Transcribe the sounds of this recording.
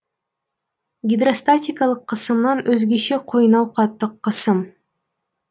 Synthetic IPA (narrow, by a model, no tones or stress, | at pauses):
ɡʲɪd̪rost̪atʲikɑlˠɯqʰːɯsɯmnɑnɵzɡiʃiqʰojnɑwqʰɑt̪ːɯqːɯsɯm